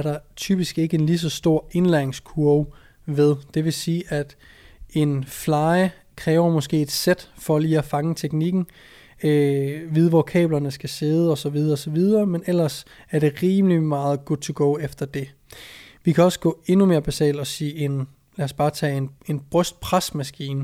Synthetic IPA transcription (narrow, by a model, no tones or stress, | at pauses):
æɐɾɑ̈t͡sʰyb̥isɡ̥e̝ɡ̥əe̝nlis̬ɒ̽sd̥o̝ɐ̰e̝nlæɐeŋskʰuɐ | ʋeðˠd̥e̝ʋe̝siːʔæd̥ | e̝nflɑ̈ɪ | kʰʁɛːʊɐmɒ̽sɡ̥e̝̰ːed̥sed̥fɒ̽liːæfɑ̈ŋət͡sʰeɡ̥niɡ̥n̩ | øʋið̞ˠʋɒkʰɛ̰ːb̥lɐnəsɡ̥æse̝ð̞ˠəɒ̽sɒ̽ʋið̞ˠɐɒ̽sɒ̽ʋið̞ˠɐːmenel̰ɐsæɐɾ̥e̝ʁiːmlimɑ̈ːð̞̩ˠɡ̥ud̥̚ˠt͡sʰuɡ̥ɔʊefd̥ɐd̥e̝ | ʋikʰæɒ̽sə̥ɡ̥ɔ̰̽ːe̝nume̝ːɐb̥æsɛ̰ːld̥ɒ̽siːe̝n | læsb̥ɑ̈ːt͡sʰɛ̰ːene̝nb̥ʁœsd̥̚pʰʁasmæsɡ̥ḭːn